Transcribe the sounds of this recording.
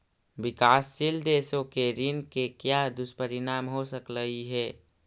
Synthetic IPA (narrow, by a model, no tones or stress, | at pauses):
ʋɪkaːsːɪld̪eːsõkeɾɪnkekjad̪ʊspəɾɪnaːmɦosəkləɦiɦɛː